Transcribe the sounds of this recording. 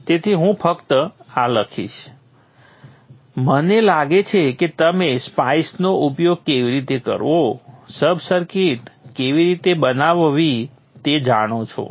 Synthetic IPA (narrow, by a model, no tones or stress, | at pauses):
t̪et̪ʰiɦũpʰəkt̪əaləkʰḭʃ | mənelaɡet͡ʃʰeket̪əmespaisnoʔupjoɡ̚keʋiɾit̪ekə̰ɾʋosəbʱsəɾkiʈkeʋiɾit̪ebənaʋʋi | t̪ed͡ʒaɽ̃ot͡ʃʰo̰